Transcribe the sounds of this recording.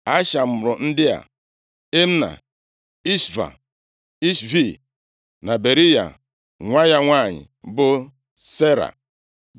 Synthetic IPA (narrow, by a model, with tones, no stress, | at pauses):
a˦ʃa˨m̩˨ɾʊ˨n̩˦dɪ˦a̰˨ | e˦m̩˦na̰˨ | i˦sva̰˨ | i˦svi˦˨ | na˨be˨ɾi˦ja̰˨ | ŋʷa˦ja˦ŋʷa˦˨ɲɪ̰˨ | bʊ˦ | se˦ɾa̰˨